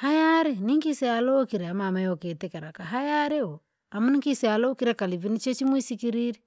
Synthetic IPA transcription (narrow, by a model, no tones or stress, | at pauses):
hajaɾeniŋkisealokiɾeamamajoketekeɾakaɦajaɾeo | amuniŋkisealokiɾekalivinit͡ʃet͡ʃimwisikiɾiɾi